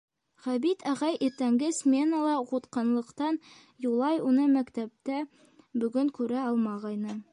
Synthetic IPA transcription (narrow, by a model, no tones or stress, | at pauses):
ʁæbit̪æʁɑjʔiɾt̪æŋɡɘsmʲenəlˠɑʁut̪qɤ̆nlˠɤ̆qt̪ɑn | julˠɑjunɤmækt̪æp̚t̪æ | bɵ̆ɡɵŋkʉɾæɑlˠmɑʁɑjnɤ